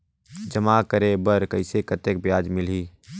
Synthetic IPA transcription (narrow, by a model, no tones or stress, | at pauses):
d͡ʒɐmakəɾebəɾkɐɪsekət̪ek̚bjaːd͡ʒmɪliː